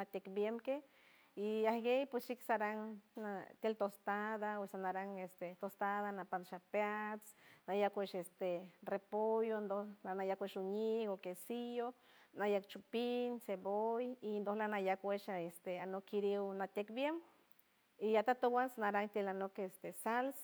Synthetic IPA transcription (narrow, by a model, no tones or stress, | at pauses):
nat̪ʲekbjemke | iahɡejpwesiksaɾaŋːat̪elt̪ost̪aðaesanaɾaŋest̪et̪ost̪aðanapanʃapeat͡snajakʷeʃest̪erepojond̪oanajakʷeʃuɲikokesijo | najakt͡ʃupinsebojind̪ohlanajakweʃest̪eanokːiɾiwnat̪ʲekbjem | iat̪at̪owansanaɾaŋt̪elanokest̪esals